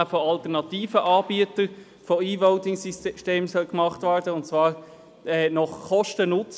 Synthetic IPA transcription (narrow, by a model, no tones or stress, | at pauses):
foɑltəʁnɑtiːfəʔɑːbiətə | foiːʋɔʊtɪŋsisʃteːmsœlkmɑχtʋæːɾdəʊntt͡svɑːʁ | ɛːnɔχkɔʃtənʊt͡s